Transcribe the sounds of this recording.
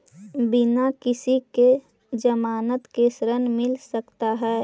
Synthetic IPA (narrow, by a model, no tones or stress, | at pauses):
bɪnakɪsike | d͡ʒəmaːnət̪kesɾənmɪlsəkt̪aɦɛː